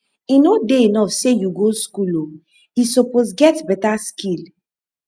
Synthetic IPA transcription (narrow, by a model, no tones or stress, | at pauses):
inodeinɔfsejuɡoskulo | isɔposɡɛtbɛtaskil